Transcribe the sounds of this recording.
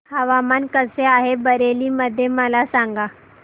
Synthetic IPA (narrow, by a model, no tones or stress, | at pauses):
həʋamankəseaɦebəɾeliːməd̪ʱːjeməlasaŋɡa